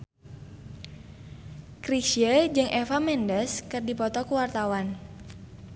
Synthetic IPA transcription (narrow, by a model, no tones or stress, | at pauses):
kɾiʃiəd͡ʒɨŋʔɛfamɛndəskɨrdipɔt̪ɔkuwart̪awan